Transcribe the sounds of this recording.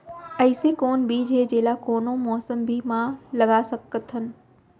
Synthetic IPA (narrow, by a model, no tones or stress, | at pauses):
ɐɪsekoːnbʱiːd͡ʑʱed͡ʑeːlakoːnomɔːsəmbʱimãlɐɡasɐkət̪ʰənɪ̆